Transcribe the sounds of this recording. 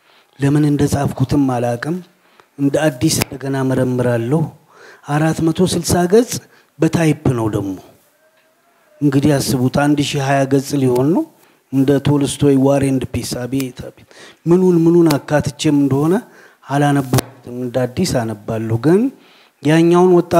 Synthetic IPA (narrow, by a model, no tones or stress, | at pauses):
ləmɨnɨnd̪əsʼafkʰut̪ʰɨmːalakʼɨm | ɨnd̪əad̪ːisɨnd̪əɡənaməɾəmːɨɾalːəhu | ʔaɾat̪mət̪ʰo̞sɨlsaɡəzʼ | bət̪ʰajbːɨnəwd̪əɡmo̞ | ɨŋɡɨd̪ijasːɨβut̪and̪ʃijɦajaɡəzʼliho̞nːəw | ɨnd̪ət̪ʰolɨst̪wɔjwaɾeɨnd̪pesabet̪ʰabet̪mɨnunmɨnunakːat̪ʰɨt͡ʃːemɨnd̪əho̞nə | alanəbːəku̥t̪ʰɨmɨnd̪əad̪ːisanəbːalːəhuɡɨn | jaɲːawnwɔt̪ʼːa